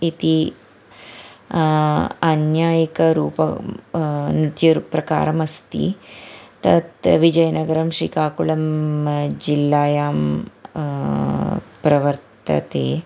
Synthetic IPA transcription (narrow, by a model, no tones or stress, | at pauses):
it̪i | ɐnjaːjɐkɐɾuːpɐ | nut̪juɾpɾɐka̰ːɾɐmɐst̪ḭt̪ɐ̰t̪ʋid͡ʒɐjɐnɐɡɐɾɐmʃɾḭːkaːkuɭɐm | d͡ʒilːaːjaːm | pɾɐʋɐɾt̪ɐ̰t̪ḛː